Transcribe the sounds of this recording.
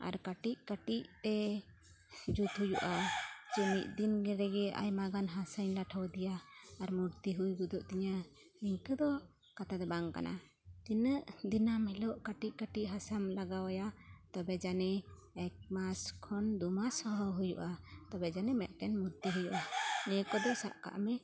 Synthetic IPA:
a̰ɾkaʈic̚kəʈiʔt̪ɛ | d͡ʒut̪ɦujuʔat͡ʃumiʔ̚ˀd̪inɡɛɾɛɡɛa̰jmaɡanɦasəɲlaʈʰawd̪ijaːɾmuɾt̪iɦujɡud̪ɔʔt̪iɲa | niŋkəd̪ɔ | kat̪ad̪ɛbaŋka̰nʔa̰ | t̪inəʔd̪inamɛlɔʔkaʈiʔ̚kaʈiʔɦasamlaɡawajat̪ɔbɛd͡ʒanɛ | ɛk̚maskʰɔnd̪umasɔɦɔwɦujuʔat̪ɔbɛd͡ʒanɛmɛt̪̚ʈɛnmuɾt̪iɦujuʔanɛkɔd̪ɔsa̰ʔka̰ʔmɛ

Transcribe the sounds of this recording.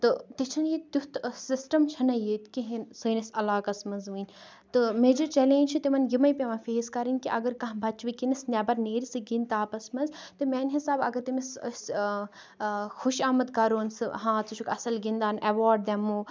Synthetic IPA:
t̪ɨt̪it͡ʃʰɐnjit̪jut̪sisʈɐmt͡ʃʰɐnɐjit̪kiɦinsɨnɐsɐlaːkɐsmɐnzʋɨnʲ | t̪ɨmeːd͡ʒɐɾt͡ʃɛleːnʲt͡ʃʰit̪imɐnjimɐjpʲɐʋɐnfeːskɐɾinʲkiʔɐɡɐɾkɐ̃ɦbʱɐt͡ʃʋikinisnʲɛbɐɾneːɾisɨɡint̪aːpɐsmɐnzt̪ɨmʲɛːnʲɦisaːbɐ̰ɡɐɾt̪imɐss | xuʃaːmɐd̪kɐɾoːnsɨɦãːt͡sut͡ʃʰukɐsɐlɡind̪aːnɐʋaːɾɖ̚d̪ɛmːu

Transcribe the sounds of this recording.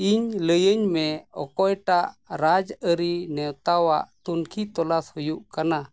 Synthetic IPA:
iɲləjəɲmɛɔ̰kɔjʈaʔɾad͡ʒəɾinɛwt̪awaʔt̪unkʰit̪ɔlashujuʔkana

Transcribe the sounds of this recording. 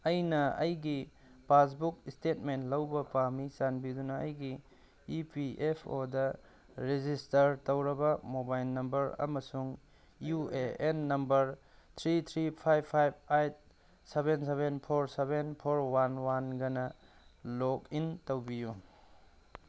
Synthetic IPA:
ɐjnɐɐjɡi | pas̬bukistet̚mentlɐwbɐpamisanbidunɐɐjɡiː | piʔepʰo̰dɐ | ɾed͡ʒistɐɾtɐwɾɐbɐmobajlnɐmbɐɾɐ̰mɐsuŋ | jueenːɐmbɐɾ | t̪ʰɾit̪ʰɾipʰajbpʰːajb̚ajt̚ | sebenseβenpʰoɾsebenpʰoɾwanwanɡɐnɐ | lokintɐwbiju

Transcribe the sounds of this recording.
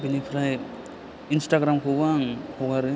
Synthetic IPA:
binipʰɾaj | instaɡɾamkʰɯbaŋhʰɔɡaɾɯ

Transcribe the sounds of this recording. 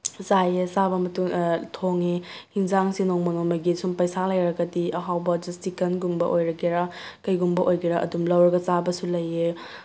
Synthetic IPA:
zajesabɐmɐtuŋtʰoŋehiŋzaŋsinoŋmɐnoŋmɐɡisumpajsalɐjɾɐkɐdiɐɦawbɐd͡ʒistikɐnɡumbɐ̰ʔojɾɐɡeɾakɐjɡumbɐʔojɡiɾaʔɐ̰dumlɐwɾɐɡɐt͡ʃabɐsulɐje

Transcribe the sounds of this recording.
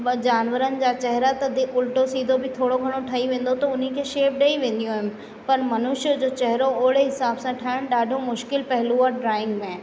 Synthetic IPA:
d͡ʑaːnʋəɾənɪ̆d͡ʑaːt͡ɕɐɦɾat̪ɐd̪ɪʊlʈosiːd̪ʱobʱɪt̪ʰoːɽoɡʱɐɽ̃oʈʰɐiʋẽːn̆d̪ot̪ɐʊn̤ikʰeːʃeːʋɖɐiʋẽːn̆d̪ijũɦɪnɪ̆ | pɐɾmɐnʊʃd͡ʑoːt͡ɕɐɦɪɾoʊɦɪɽeɦɪsaːbsãʈʰaːɪʊñɪɗaːɖʱomʊʃkɪlpɐɦɪluaɖɾaːɪ̃ŋɡmẽ

